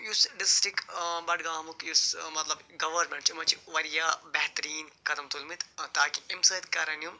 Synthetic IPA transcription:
jusɖɪsʈɾikbɐɽɡaːmukjusmɐt̪lɐbɡɐʋɐɾmẽɳʈt͡ʃimɐt͡ʃiʋɐɾijaːbɛɦt̪ɐɾiːnkɐd̪ɐmt̪ulmit̪t̪aːkiimsɐjd̪kɐɾɐnjum

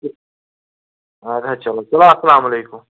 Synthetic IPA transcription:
ad̪ʱat͡ʃɐlaːt͡ʃɐlaɐsɐlaːmɐleːkʊm

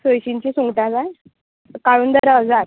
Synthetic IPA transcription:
səjɕiɲt͡ɕiːsuŋɡʈad͡zaj | kaɽuːnd̪əɾəd͡zaɾ

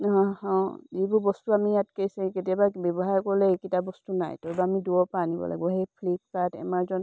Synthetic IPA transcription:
ɦɔ̃hɔ̃ejbʊɹbɔstuamijatkesɛ̃ketijababɛbɔɦaɹkɔɹlɛekitabɔstuna̰jtɔɹbaːmiduɔpaanibɔ̰la̰ɡ̚bɔɦejpʰlip̚katɛ̰maɹzɔn

